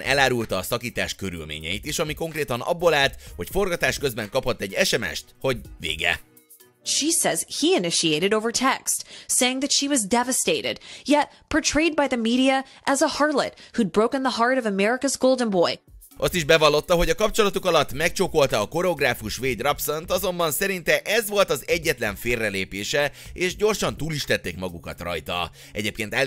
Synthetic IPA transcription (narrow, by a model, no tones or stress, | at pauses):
nʔɛ̰laːɾult̪ɒːsɒkiːt̪a̰ːʃkøɾy̰lmḛːɲɛ̰it̪eːʃɒmiko̞ŋkreːt̪ɒnɒ̰bːolaːlt̪ho̞cfo̞rɡɒt̪aːʃkøzbɛŋkɒphɒt̪ːɛɟːɛʃɛmɛ̰ʃt̪ho̞ɟvḛːɡɛ̰ | ʃisɛz̥hiɨnɪʃieɪɾɨɾoʊvə˞tʰɛkstseɪɪ̃ŋðætʃiwʌzdɛvɨsteɪɾɪ̰d̥jɛt̚pʰətʰɹ̥eɪd̚baɪðɨmiɾiɨ | ʔɨzəhɑɹlə̰t̚hud̚bɹoʊkə̃nðəɦɑɹɾʌvəmɛɹɪkəzɡoʊlˠdə̃nboɪ | ʔɒst̪iʒbɛvɒlːo̞t̪ːɒɦo̞ɟɒkɒp̚t͡ʃo̞lɒt̪ukɒlɒt̪ːmɛk̚t͡ʃoko̞lt̪ɒːko̞ɾɛo̞ɡraːfuʃʋeːd̪rɒpsont̪ɒzo̞mbɒnsɛɾint̪ɛʔɛzvo̞lt̪ɒzɛɟːɛt̪lɛɱfeːrːɛleːpeːʃɛeːʃɟo̞rʃɒnt̪uːliʃt̪ɛt̪ːeːkmɒɡukɒ̰t̪rɒ̰jt̪ɒ̰ | ɛɟeːp̚keːnt̪ɛ